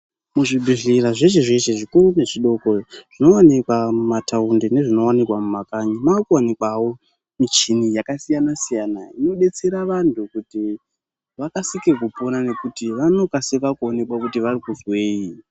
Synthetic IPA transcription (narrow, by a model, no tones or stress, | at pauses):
muʐibʱiɮiraʐeʃ̬eʐe̞ʃe̞ʐikurune̞ʐiɗo̞koʐ̥ino̞wanikwamumatʰaundene̞ʐino̞wanikwamumakaɲamakuwanikwawo̞ | mit͡ʃinijakasijanasijanaino̞ɗe̞t͡se̞ɾaʋantʰukuti | ʋakasikekupo̞nane̞kutiʋano̞kasikakuone̞kwakutiʋarikuzwe̞ːi